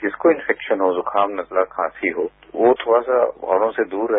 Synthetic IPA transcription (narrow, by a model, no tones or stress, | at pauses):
kɪskoɪ̃nfɛːkʃənɦozʊkʰaːmnɐklakʰãːsiɦoː | ʋot̪ʰoːɽasa̰ɔ̰ːɽõsed̪uːɾːɐɦ